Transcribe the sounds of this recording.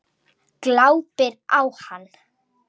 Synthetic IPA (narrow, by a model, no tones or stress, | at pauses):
klawpɪɾawhanː